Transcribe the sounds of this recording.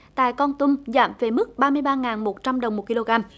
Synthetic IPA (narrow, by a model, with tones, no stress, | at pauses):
t̪a̰ː˧˨jkɔ˧nt̪ʊ˧ŋ͡mza̰ː˧˨mve˨˩mɨ˦˥k̚ɓaː˧mɨ˧əjɓaː˧ŋaː˨˩nmo˨˩t̚t͡ɕa˧mɗə˨˩wŋ͡mmo˨˩t̚ki˧lo˧ɣaː˧m